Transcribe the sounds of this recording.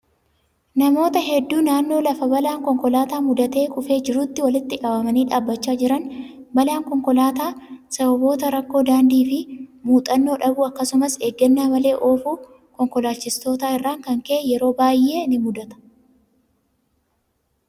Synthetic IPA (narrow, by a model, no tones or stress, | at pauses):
nɐmo̞ːt̪ɐɦɛd̪ːuːnaːnːo̞ːlɐfɐbɐlaːŋkɔŋkɔlaːt̪aːmʊd̪ɐt̪e̞ːkʼʊfe̞ːd͡ʒɪɾut̪ːɪwɐlɪt̪ːɪkɐbɐmɐniːᶑaːbːɐt͡ʃːaːd͡ʒɪɾɐn | bɐlaːŋkɔŋkɔlaːt̪aːsɐbɐbo̞ːt̪ɐɾɐkːo̞ːd̪aːnd̪iːfɪmuːt̪ʼɐnːo̞ːᶑɐbʊɐkːɐsʊmɐseːɡːɐnːaːmɐle̞ːʔoːfuː | kɔŋkɔlaːt͡ʃːɪst̪o̞ːt̪aːɪrːaːŋkɐŋkeːjɛɾo̞ːbaːjʔe̞ːnɪmʊd̪ɐt̪ɐ̥